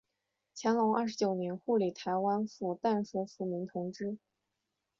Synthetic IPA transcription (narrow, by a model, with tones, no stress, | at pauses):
t͡ɕʰjɛ˧˥nlɑ˧˥ŋa̰˥˩ʂɻ̩˧˥t͡ɕjo˨˩ʊnjɛ˧˥nxu˥˩li˨˩t̪ʰa˧˥ɪwa˥nfu˥˩t̪a˥˩nfu˧˥fu˧˥mi˧˥t̪ʰʊ˧˥ŋʈ͡ʂɻ̩˥